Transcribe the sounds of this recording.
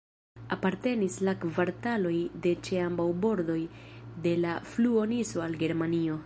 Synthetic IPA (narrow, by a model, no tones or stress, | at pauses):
apaɾte̞nislakvaɾtalo̞jde̞t͡ʃe̞ambawbo̞ɾdo̞jde̞lafluo̞niso̞alɡe̞ɾmanio̞